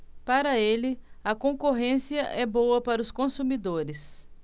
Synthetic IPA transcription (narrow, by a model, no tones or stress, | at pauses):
paɾɐelɪ | ɐkõkoɦẽsiɐʔɛbowɐpaɾɐʊskõsumid̪oɾɪs